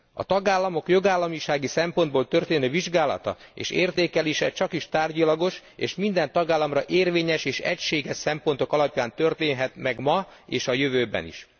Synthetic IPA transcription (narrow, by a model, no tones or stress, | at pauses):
ɒ̰t̪ɒɡaːlːɒmo̞kjo̞ɡaːlːɒmiʃaːɡisɛmpo̞nd̪boːlt̪ø̞rt̪eːnøːviʒɡaːlɒ̰t̪ɒ̰ḛːʃeːrt̪eːkɛleːʃɛt͡ʃɒkiʃt̪aːrɟɒlɒɡo̞ʃḛːʃmind̪ɛnt̪ɒɡaːlːɒmrɒʔeːrveːɲɛʃeːʃɛcʃeːɡɛʃsɛmpont̪o̞kɒlɒpjaːnt̪ørt̪eːnɦɛt̪mɛɡmɒeːʃɒjøvøːbɛ̰nḭʃ